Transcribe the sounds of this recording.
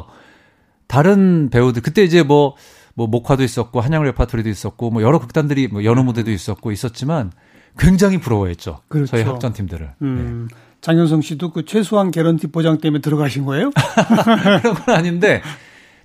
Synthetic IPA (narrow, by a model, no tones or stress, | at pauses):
taɾɯnpe̞udɯɭkɯt͈e̞id͡ʑemwʌ | mwʌmokʰwadois͈ʌt̚k͈oɦaɲaŋɯɭwepʰatʰɯɾidois͈ʌt̚k͈omwʌjʌɾʌkɯk̚t͈andɯɾimwʌjʌnumudedois͈ʌt̚k͈ois͈ʌt̚t͡ɕ͈iman | kwe̞ŋd͡ʑaŋɦipuɾʌwʌḛt̚t͡ɕ͈o̰kɯɾsʰʌiɦakt͡ɕ͈ʌntʰimdɯɾɯ̰ɭɯne | t͡ɕaŋjʌns̬ʰʌŋɕ͈ʰidokɯt͡ɕʰwe̞sʰoɦanke̞ɾʌntʰipod͡ʑaŋt͈emjentɯɾʌɡaɕʰinɡʌejokɯɾʌŋɡʌnaɲinde̞